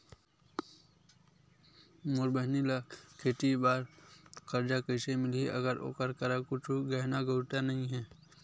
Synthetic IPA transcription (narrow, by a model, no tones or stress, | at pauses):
moɾbəɦnilakʰeːʈibaːɾkəɾd͡ʒakəɪsemɪlieʔɐɡəɾʔo̰ːkəɾkəɾakʊt͡ʃʰuɡəɦnaɡəʊʈanɐɦĩɦɛː